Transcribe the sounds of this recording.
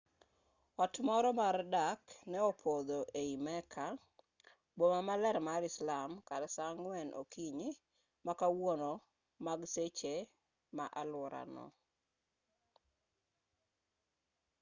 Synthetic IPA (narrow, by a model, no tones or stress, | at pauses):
ɔtmɔɾɔmardaknɛopʰod̪oʔeimɛkʰa | bomamalɛɾmaɾɪslamkaɾsaŋwɛnʔo̰kiɲɪ | makawono | maɡset͡ʃe | maʔalɔɾa̰nɔ̰